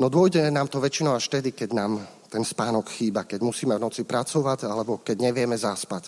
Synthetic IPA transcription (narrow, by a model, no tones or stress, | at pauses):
nɔd̪ɔjɟɛnaːmt̪ɔʋɛt͡ʃinɔʊaʃft̪ɛd̪ikɛɟnaːm | t̪ɛnspaːnɔkxiːbakɛɟmusiːmɛvnɔt͡sipɾat͡sɔʋaɟalɛbɔkɛɟɲɛʋɪjɛmɛzaspac